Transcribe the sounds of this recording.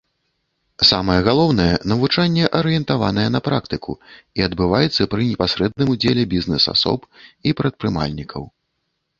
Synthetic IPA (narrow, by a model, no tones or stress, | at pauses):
samɐjɛɣalˠɔwnɐjɛnɐvut͡ʂanʲːɛʔɐɾɨjɛnt̪avan̪ɐjɛn̪ɐpɾakt̪ɨkʰṵiɐd̪bɨvajɛt̪sːɐpɾɨnʲɛpasɾɛd̪̚nɨmud͡zʲelʲɛbʲiznɛsa̰sɔ̰pipɾɐt̪̚pɾɨma̰lʲnʲikʰɐ̰w